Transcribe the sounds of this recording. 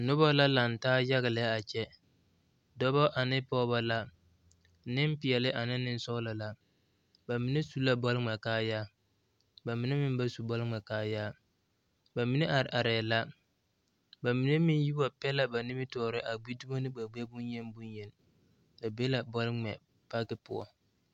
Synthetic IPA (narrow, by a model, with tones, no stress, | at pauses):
nʊ˦bɔ˦la˦la˨n˨taː˦ja˦ɣɪ˨lɪ˨˦a˦a˨t͡ʃɛ˦ | dɔ˦bɔ˦ʔa˨nɪ˦pɔ˦ba˦la˦ | nɪ˦m˦pɪ˨ɛ˨lɪ˦ʔa˨nɪ˦nɪ˦n˦sɔ˦ɣla˨la˨ | ba˨mɪ˨ne˦su˦la˦bɔ˦lŋ͡mɛ˨kaː˦jaː˦ | ba˨mɪ˨ne˦mɪ˦m˦ba˦su˨bɔ˦lŋ͡mɛ˨kaː˦jaː˦ | ba˨mɪ˨ne˦ʔa˨ɾʔa˨ɾɛː˨la˦ | ba˨mi˨ne˦mɪ˦n˦ji˦ba˨pɛ˦la˨ba˨nɪ˦mɪ˦tɔː˨˦˨ɾɪ˦ʔa˨ɡ͡bi˦du˦ba˦nɪ˦ɡ͡ba˨ɡ͡bɛ˦bʊ˦njɛ˦nbu˦njɛ˨l | ba˨be˦la˨bɔ˦lɪ˦ŋ͡mɛ˨ | pa˦kɪ˦pʊ˦˨ɔ̰˨